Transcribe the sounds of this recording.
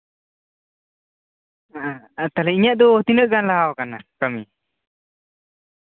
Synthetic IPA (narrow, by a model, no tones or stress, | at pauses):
t̪alɛiɲaʔ̚d̪ɔːt̪inəʔɡanlaɦawkanakəmi